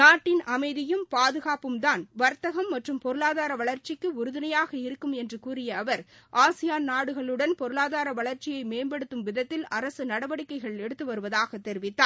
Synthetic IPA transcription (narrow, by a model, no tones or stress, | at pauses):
naːʈːɪnʔɐmɐɪðɪjɯmpaːðɯɣaːpɯmt̪aːnʋɐɾt̪ɐɣɐmːɐʈrɯmpɔɾɯɭaːðaːɾɐʋɐɭɐɾt͡ʃɪkːɯʊɾɯðɪnɐjaːɣɐɪɾɯkːɯmɛndrɯkuːɾɪjɐːʋɐɾʔaːsɪjaːnnaːɽɯɣɐɭɯɽɐnpɔɾɯɭaːðaːɾɐʋɐɭɐɾt͡ʃɪjɐɪmeːmbɐɽɯt̪ːɯmʋɪðɐt̪ːɪlɐɾɐsɯnɐɽɐʋɐɽɪkːɐɪɣɐɭɛɽɯt̪ːɯʋɐɾɯʋɐðaːɣɐt̪ːɛɾɪʋɪt̪ːaː